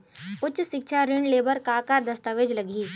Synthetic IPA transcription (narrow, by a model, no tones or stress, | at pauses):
ʊt͡ʃʰʃɪkt͡ʃʰaɾɪɳɖleːbəɾkaːkad̪ɐst̪əʋeːd͡ʒlɐɡiː